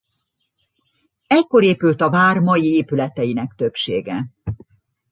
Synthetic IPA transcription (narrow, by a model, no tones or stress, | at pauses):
ɛcko̞ɾeːpylt̪ɒvaːrmɒjieːpylɛt̪ɛjinɛkt̪ø̞pʃeːɡɛ